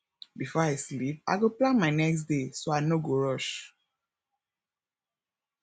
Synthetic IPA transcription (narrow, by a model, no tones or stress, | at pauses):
bifɔajslip̚a̰ɪɡoplãnmaɪnɛksdesoaɪnoɡoɹɔʃ